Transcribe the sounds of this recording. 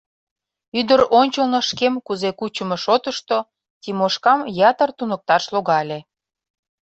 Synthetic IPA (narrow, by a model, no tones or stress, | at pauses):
yd̪əɾonʲt͡ɕəlnɤ̆ʃkemkuzekut͡ɕə̆meʃot̪əʃt̪o | t̪ʲimoʃkɑmjɑt̪ərt̪unə̆k̚t̪ɑʃloɣɑlʲe